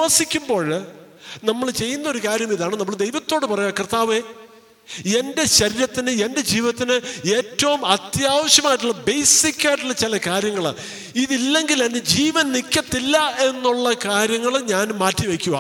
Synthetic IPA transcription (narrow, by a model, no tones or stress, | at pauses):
ɐsikʲːumbo̞ːɻ | nɐmːɐɭt͡ɕe̞jːunːɐo̞ɾukaːɾjɐmiðaːɳɨnɐmːɐɭd̪ejʋɐt̪ːo̞ːɽɨpɐrɐjakrt̪ːaːʋe̞ː | e̞nde̞ɕɐɾiɾɐt̪ːinɨe̞nde̞d͡ʑiːʋiɐt̪ːinɨe̞ːtːɐʋumɐt̪jaːʋɐɕjɐmaːjiʈ̬ːuɭːɐbe̞jsikʲːaːjʈːuɭːɐt͡ɕilɐkaːɾjɐŋːɐɭa̰ | iðilːe̞ŋɡilɐned͡ʑiːʋɐnnikʲːɐt̪ːilːɐe̞nːuɭːɐkaːɾjɐŋːɐɭɲaːnmaːtːiʋekʲːuʋɐ̰